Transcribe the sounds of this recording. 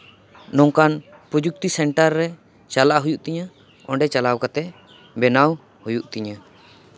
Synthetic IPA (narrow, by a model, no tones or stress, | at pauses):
nɔŋkan | pɾud͡ʒuk̚t̪isɛɳʈaɾːɛ | t͡ʃalaʔɦujuʔt̪iɲa | ɔɳɖɛt͡ʃalawkat̪ɛ | bɛnaw | hujuʔt̪iɲa